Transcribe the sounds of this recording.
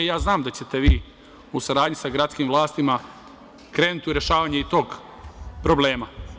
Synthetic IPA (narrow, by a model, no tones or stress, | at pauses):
jaːznaːmd̪at͡ɕe̞t̪eʋiː | usaɾaːd̪ɲisaɡɾat̪skimʋlˠaːst̪ima | kɾe̞ːnut̪iuɾe̞ʃaːʋaːɲeit̪o̞ːɡ | pɾo̞ble̞ːma